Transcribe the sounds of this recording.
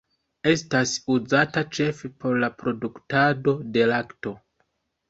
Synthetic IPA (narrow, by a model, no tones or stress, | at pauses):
e̞stasuzatat͡ʃe̞fepʰo̞ɾlapɾo̞duktado̞de̞lakto̞